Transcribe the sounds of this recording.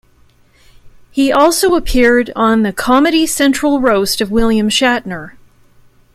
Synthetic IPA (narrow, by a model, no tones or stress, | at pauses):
hiʔɔlˠsoʊəpʰɪɹɾn̩ðɨkʰɑmɨɾisɛ̃nt͡ʃɹ̥l̩ˠɹoʊstʌvwɪlˠjɨ̃mʃæʔⁿnə˞